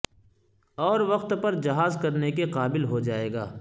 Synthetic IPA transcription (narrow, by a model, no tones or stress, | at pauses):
ɔːɾʋɐqt̪pɐɾd͡ʒɐɦaːzkɐɾnekeqaːbɪlɦod͡ʒaːeːɡa̰ː